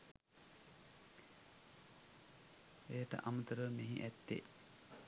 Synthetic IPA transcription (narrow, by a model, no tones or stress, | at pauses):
eːʈə̰ʔamət̪əɾəmeɦiʔæt̪ːḛ